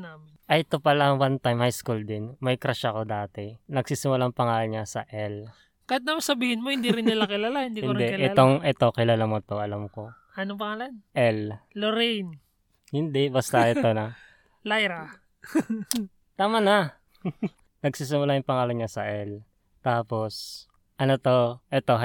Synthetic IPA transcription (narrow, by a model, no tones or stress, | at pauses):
naːmɪʔɐjɛt̪opɐlawant̪ajmhajskuld̪ɪnmɐjkɾɐʃako̞d̪aːt̪ɛnɐɡ̚siːsɪmʊlaŋpɐŋaːlɐɲasɐʔɛl | kɐjat̪̚nɐmɐsɐbiːhɪnmohɪnd̪iɾɪnɪlakɪlaːlahɪnd̪ikhɪnd̪ɛɪʔɛoŋʔɛt̪o̞kɪlaːlamot̪oʔɐlamko̞ | ɐnop̬ɐŋaːlanʔɛlloɾijn | hɪnd̪ɛbɐst̪ɐʔɛt̪onɐ | lajɾɐ | t̪aːmɐnɐ | nɐɡsiːs̬ɪmʊlajʊŋpɐŋaːlɐnɲasɐʔɛl | t̪aːpo̞s | ʔɐnot̪o̞ʔɛt̪o̞